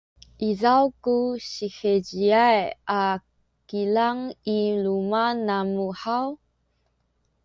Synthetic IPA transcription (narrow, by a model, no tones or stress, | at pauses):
ʔizawkuɕixeɟiaja | kilaŋilumanamuħaw